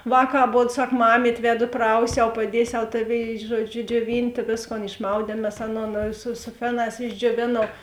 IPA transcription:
ˈʋɑːˌkɑː ɐˈboːt ˈsɐk ˈmɑːmʲiːtʲ ˈʋʲæːdʊ ˈprɐʊsʲɛʊ pɐˈdʲiɛsʲɛʊ ˈtɑːˌʋʲeːɪ ˈʒuɔˌd͡ʒʲʊ d͡ʒʲuɔˈʋʲɪnʲtʲeː ˈʋʲeːsˌkoːn ɪʃˈmɐʊdʲiɛm mʲɛs ˈɑːˌnoːn sʊ sʊ ˈfʲæːˌnɑːs ɪʒʲd͡ʒʲoːˈʋʲeːnɐʊ

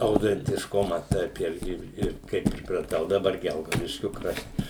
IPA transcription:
ɐʊtʲɛnʲtʲɪʃˈkʊmɐ ˈtɐɪp ˈɪrʲɡʲɪ ˈɪr kɐɪ pʲrʲɪprɐˈtɐʊ dɐˈbɐr ˈɡʲɛlˠɡɐʊdʲɪʃʲkʲʊ ˈkrɐʃt

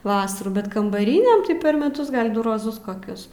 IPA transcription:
ˈʋɑːsɐruː bʲɛt kɐmbɐˈrʲiːnʲeːm tɐɪ pʲɛr mʲɛˈtʊs ɡɐlʲ ˈdʊ roːˈzʊs koːˈkʲʊs

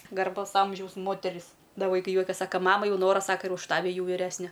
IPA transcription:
ɡɐrˈbɐʊs ˈɐmʲʒʲɛʊs ˈmoːtʲɛrʲɪs ˈdɐ ʋɐɪˈkɐɪ ˈjuɔkʲɛs sɐkɐ ˈmɑːmɐ ˈjɛʊ ˈnoːrɐ ˈsɑːkɐ ɪr ʊʃ ˈtɑːʋʲɪ ˈjɛʊ ʋʲɪˈrʲæːsʲnʲɛ

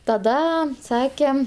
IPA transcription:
tɐˈdɐ ˈsɑːkʲɛ

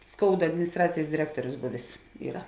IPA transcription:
ˈskoːʊdɐ ɐdʲmʲɪnʲɪsˈtrɑːt͡sʲeːjs dʲɪˈrʲæːktuɔrʲʊs ˈbʊʋʲeːs ˈiːrɐ

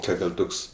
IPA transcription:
ˈkɐt ɪr ˈtʊks

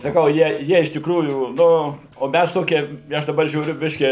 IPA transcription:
sɐˈkɐʊ ˈjiɛ ˈjiɛ ɪʃ tʲɪkˈruːjuː nʊ oː ˈmʲæs ˈtoːkʲiɛ ɪ ˈɐʃ dɐˈbɐr ʒʲuːˈrʲʊ ˈbʲɪʃʲkʲiː

